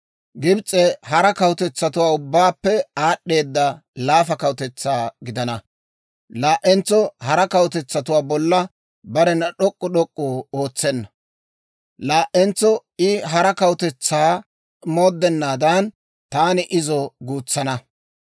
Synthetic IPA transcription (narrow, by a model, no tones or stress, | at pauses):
ɡɪbt͡sʼːɛhɐɾɐkɐwt̪ɛt͡sːɐt̪ʊwaːʊbːaːpːɛaːɗːe̞ːd̪ːɐlaːfɐkɐwʊt̪ɛt͡sːaːɡɪd̪ɐnɐ | laːʔɛnt͡sːɔhɐɾɐkɐwʊt̪ɛt͡sːɐt̪ʊwaːbɔlːɐ | bɐɾɛnɐɗɔkʼːɔɗɔkʼːoːo̞ːt͡sːɛnːɐ | laːʔɛnt͡sːɔɪɦɐɾɐkɐwʊt̪ɛt͡sːaː | moːd̪ːɛnːaːd̪ɐn | t̪aːnɪʔɪzɔɡuːt͡sːɐnɐ